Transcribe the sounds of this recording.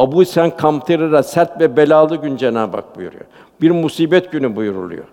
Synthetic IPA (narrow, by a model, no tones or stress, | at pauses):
abuisænkʰamt̪ʰɯɾɯɾasæɾt̪vɛbelʲaːlˠɯɟynd͡ʒena̰ːba̰k̚bujṵɾṵjo̰ | b̥iɾmusiːbɛt̪ɟynybujuɾṵlˠṵjo